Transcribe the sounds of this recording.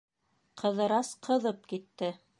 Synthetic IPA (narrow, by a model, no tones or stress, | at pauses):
qʰɤ̆ðɤ̆ɾɑsqʰɤ̆ðɤp̚kit̪ːɘ